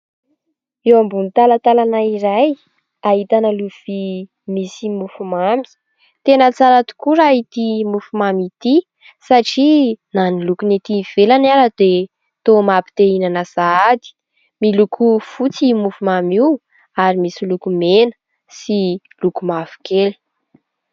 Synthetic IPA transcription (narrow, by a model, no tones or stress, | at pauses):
ewambunt̪alat̪alanaiɾaj | aɦit̪anəluv̥i | misimufumami̥ | t̪enət͡saɾat̪u̥kuɾait̪imufumamit̪i | saʈ͡ʂinanilukunet̪iv̥elanaɾad̪̥e | t̪omabi̥t̪einanasaad̪i̥ | milukʰufut͡simufumamiw | aɾimisilukumenə̥ | si | lukumafu̥keli̥